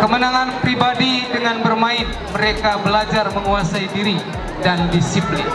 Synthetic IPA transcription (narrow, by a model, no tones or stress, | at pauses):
kəmənaŋanpɾibadidəŋanbərmaɪn | məɾekabəlad͡ʒarməŋuasaidiɾi | dandisiplɪn